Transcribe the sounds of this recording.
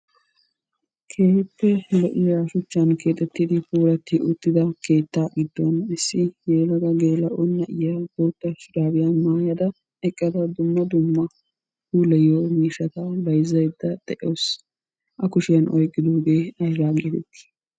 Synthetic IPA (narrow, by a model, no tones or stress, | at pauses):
kʰe̞ːpːɛlɛʔɪjaʃʊt͡ʃːɐnke̞ːt̪ʼːɛt̪ːid̪ɪfuːɾɐt̪ːɪʔʊt̪ːɪd̪ɐke̞ːt̪ːaɡɪd̪ːonɪsːɪɡeːlɐɡ̪ɐɡe̞ːlɐʔɔnːɐʔɪjab̪oːt̪ːɐʃd̪aːbɪjɐmaːjɐd̪ɐ | ɛkʼːɐd̪ɐd̪ʊmːɐd̪ʊmːɐ | huːlɛjomiːʃɐt̪ɐbɐjzɐjd̪ːɐd̪̥ɛʔɪoːs | ʔɐkʊʃɪjɐnʔɔjɡʼːɪd̪oːɡe̞ːɐjɾaːɡeːt̪ɛt̪ːi̥